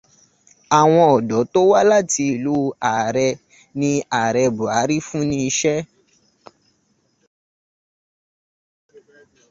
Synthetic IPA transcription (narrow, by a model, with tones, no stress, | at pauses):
a˨w̃ɔ̃˧ɔ˨dɔ˨˦to˦wa˦la˦˨ti˧i˨lu˨˦a˨ɾɛ˧ | nĩ˧a˨ɾɛ˧bu˨a˨˦ɾi˦fũ˦nĩ˦˧ʃɛ˦